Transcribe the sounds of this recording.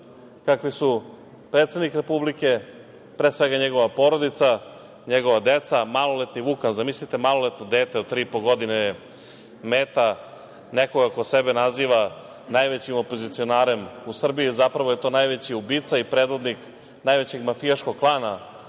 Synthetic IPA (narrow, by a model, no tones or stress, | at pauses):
kakʋisu | pɾe̞t̪sed̪nikɾe̞publike̞ | pɾesʋe̞ɡaɲeɡo̞ʋapo̞ːɾod̪it̪sa | ɲeɡoʋad̪et̪samalˠo̞let̪niʋukanzamislit̪e̞malˠolet̪nod̪eːt̪eod̪̚t̪ːɾiːipoɡo̞d̪ine | meːt̪a | nekoɡako̞sebenaziːʋa | najʋet͡ɕimopo̞zit̪sio̞naːɾe̞musr̩biizapɾaʋo̞je̞t̪o̞ːnajʋet͡ɕiubiːt̪saipɾed̪ʋo̞d̪nik | najʋet͡ɕe̞ɡmafijaʃkoɡklˠaːna